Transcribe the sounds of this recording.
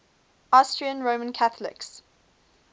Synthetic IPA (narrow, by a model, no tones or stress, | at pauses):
astɹiə̃nɹoʊmə̃nkʰaθəlɪ̰ks